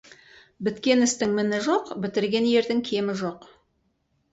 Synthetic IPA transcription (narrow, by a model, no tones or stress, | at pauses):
bɪt̪kʲe̞nɪst̪ɪŋmɪnɪʒoqbɪt̪ɪɾɡʲe̞nje̞ɾd̪ɪŋkʲʰe̞mɪʒoq